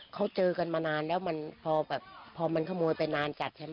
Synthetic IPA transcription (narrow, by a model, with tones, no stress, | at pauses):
kʰa˦˥wt͡ɕɤː˧ka˧nmaː˧naː˧nlɛː˦˥˩wma˧npʰɔː˧bɛː˨˩p̚ʰːɔː˧ma˧nkʰa˥˩moː˧jpa˧jnaː˧nt͡ɕa˨˩t̪̚t͡ɕʰa˧˥˩ma˥